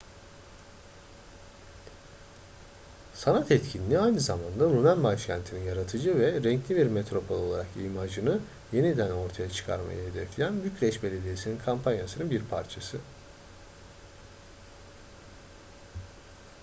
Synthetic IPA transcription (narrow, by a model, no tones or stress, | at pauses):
sanat̪ʰɛt̪cʰinʲiniajnɯzamand̪aɾunænbat͡ʃcʰænt̪ʰininjaɾat̪ʰɯd͡ʒɯvɛɾɛɲclʲibiɾmɛt̪ɾo̞pʰo̞lʲˠo̞lˠaɾakimad͡ʒɯnɯ | je̞nid̪æno̞ɾt̪ʰajat͡ʃʰɯ̥kʰa̰ɾma̰jɯɦed̪ɛflʲejænbycʰɾʲɛʃbe̞lʲe̞d̪ijesininkʰampʰanjasɯnɯnbiɾpʰaɾt͡ʃʰasɯ